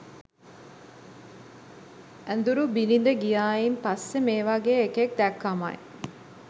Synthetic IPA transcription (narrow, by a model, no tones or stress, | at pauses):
ænd̪uɾubinind̪əɡijaːjimpasːemeːʋaɡeːekek̚d̪ækːama̰j